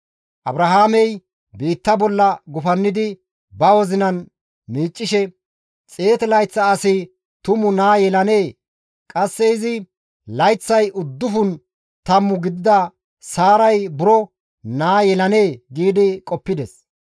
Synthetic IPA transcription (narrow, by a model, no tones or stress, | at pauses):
ʔɐbɾɐɦaːmɛj | biːt̪ːɐbɔlːɐɡʊfɐnːɪd̪ɪ | bɐwɔzɪnɐn | miːt͡ʃʼːɪʃɛ | t͡sʼeːt̪ɛlɐjt͡sːɐːsɪ | t̪ʊmʊnaːjɛlɐne̞ː | kʼɐsːɛɪzɪ | lɐjt͡sːɐjʔʊd̪ːʊfʊn | t̪ɐmːʊɡɪd̪ɪd̪ɐ | saːɾɐjbʊɾɔ | naːjɛlɐne̞ːɡiːd̪ɪkʼɔpːɪd̪ɛs